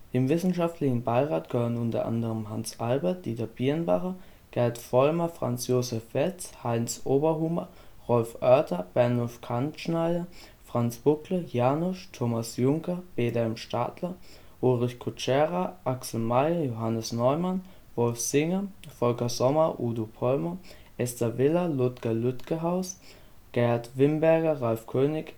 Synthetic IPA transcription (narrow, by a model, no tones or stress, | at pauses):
ʔɪmvɪsn̩ʃaftlɪçn̩baɪʁaːt̚ɡ̥əhøːʁənʊntɐ̰ʔa̰ndəʁəmɦansʔalbɐɐt̚d̥iːdɐb̥iːnba̰χɐ | ɡ̥ɛɐtfɔlmɐfʁ̥a̰nt͡sjoːzɛfɛlshaɪnsʔoːbɐɦʊmɐ | ʁɔlfʔœɐtʰɐb̥ɛɐnʊfkʰanʃnaɪdɐ | fʁ̥ant͡sb̥ʊkləjaːnʊʃtʰoːmasjʊŋkɐb̥eːdɛɛmʃta̰tʰlɐ | ʔoːʁɪçkʰʊt͡ʃɛːʁaʔaksl̩maɪɐjoɦanəsnɔʏman | vɔlfz̥ɪŋɐfɔlkɐzɔmɐʔuːdopʰɔlmɐ | ʔɛstɐvɪlɐlʊtkʰɐlʏtkəɦaʊs | ɡ̥ɛatv̥ɪmbɛɐɡɐʁalfkʰøːnɪç